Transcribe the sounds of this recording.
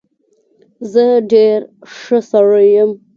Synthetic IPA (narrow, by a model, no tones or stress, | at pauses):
zəɖeɾʂəsaɽəjəm